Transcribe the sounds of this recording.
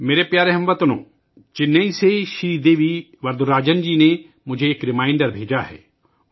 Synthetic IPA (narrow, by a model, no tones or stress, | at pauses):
meːɾepjaːɾeɦɐ̃mʋət̪nõ̰ː | d͡ʒɪnːeiseʃɾiːd̪eːʋi | ʋɐɾd̪uɾaːd͡ʒənd͡ʒiːne | mʊd͡ʒʱeːkɾɪmãːɪɳɖəɾbʱeːd͡ʒaɦɛ̰ː